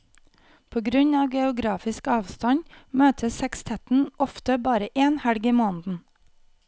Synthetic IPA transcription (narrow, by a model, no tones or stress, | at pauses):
pʰoːɡɾʉɲɑːʋɡɛʊɡɾɑːfɪskɑːʋst̪ɑɲmøːt̪ʰəsɛkst̪ʰɛt̪n̩ʔɔft̪əbɑːɾəʔeːnhæɽɡimoːnd̪n̩